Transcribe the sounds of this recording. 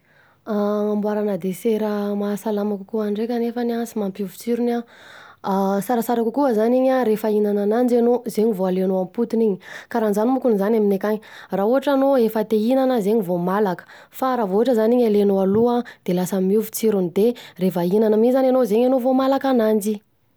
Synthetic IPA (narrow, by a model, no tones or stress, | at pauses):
aambwaɾanəd̪eseɾəmasalamakukuaɳɖ͡ʐekʲanefaniansimampiuvut͡siɾuna | saɾasaɾakukuəzaniɲaɾefainananand͡ʒanozeɲivoalenoamput̪iniɲikaɾanzanimukunizanaminekaɲirauɦaʈ͡ʂanoefət̪einanəzeɲivomalakə̥ | faɾavouɦaʈ͡ʂəzaniɲalenoaluad̪̥elasəmiuvu̥t͡siɾunid̪erefəinanəmizananozeɲanovomalakanand͡ʒi